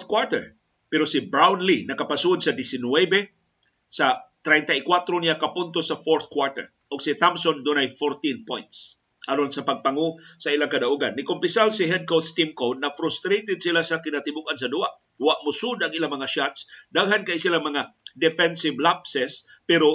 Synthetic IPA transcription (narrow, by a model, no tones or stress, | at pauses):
θkwaɹt̪ɛ̰ɹ | pɛɾosibɾawnlinɐkapasud̪sɐd̪ɪsɪnwebe | sat̪ɾɛjnt̪aikwat̪ɾonijakapʊnt̪osafoɹθkwaɹt̪ɛ̰ɹ | ʔʊɡsiθamsond̪ʊnajfoɾt̪inpojnt̪s | ʔaɾonsɐpɐɡ̚paŋosailaŋkad̪aʔuɡanːɪkʊmpɪsalsiɦɛd̪̚kowt̪st̪imkowd̪̚nɐfɾʊst̪ɾejt̪ɪd̪̚silasakɪnat̪ɪbukans̬ɐd̪ua̰ʔ | waʔmʊsud̪aŋilamɐŋaʃat̪sd̪aɡɦankaisilamɐŋad̪ɛfɛnsivlapsɛs | pɛɾo